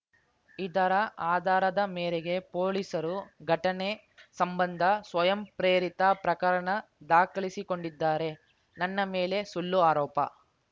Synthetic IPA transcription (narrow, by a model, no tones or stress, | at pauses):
id̪ɐɾɐʔaːd̪ʱaːɾɐd̪ɐmeːɾeɡe̞poːlisɐɾuɡʱɐʈɐne | sɐmbɐnd̪ʱɐsʋɐjɐmpɾeːɾit̪ɐpɾɐkɐɾɐɳɐd̪aːkɐɭisiko̞ɳɖid̪ːaːɾe̞ | nɐnːɐmeːle̞sulːuaːɾɔːpɐ̰